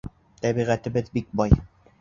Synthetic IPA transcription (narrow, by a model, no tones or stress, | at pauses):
t̪æbiʁæt̪ɘ̆bɘðbik̚bɒj